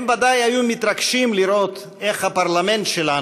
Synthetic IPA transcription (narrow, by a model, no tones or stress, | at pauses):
mvad̪ajajumit̪ɾaɡʃimliɾo̞t̪ | eχhapaɾlame̞nt̪ʃela